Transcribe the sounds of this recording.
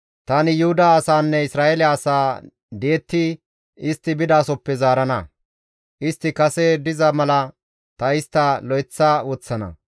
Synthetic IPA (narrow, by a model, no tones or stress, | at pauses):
t̪ɐnɪjʊhʊd̪aːsaːnːɛɪsɾaːelɪːsaː | d̪e̞ːt̪ːɪ | ɪst̪ːɪbɪd̪aːsɔpːɛzaːɾɐnɐ | ʔɪst̪ːɪkɐsɛd̪ɪzɐmɐlɐ | t̪ɐɪst̪ːɐlɔjt͡sːɐwɔːt͡sːɐnɐ̰